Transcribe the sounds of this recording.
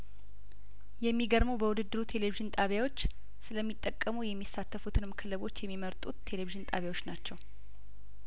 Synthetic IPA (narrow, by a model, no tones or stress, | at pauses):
jɛmːiɡəɾməwbəwʊd̪ɨd̪ːɨɾut̪ʰe̞le̞viʒɨnt̪ʼaβjawo̞t͡ʃː | sɨləmːit̪ʼːəkʼːəmujɛmːisːat̪ʰːəfut̪ʰɨnɨmkʰɨlɨβo̞t͡ʃːjɛmːiməɾt̪ʼuːe̞leβiʒɨnt̪ʼaβjawo̞t͡ʃːnat͡ʃːɛw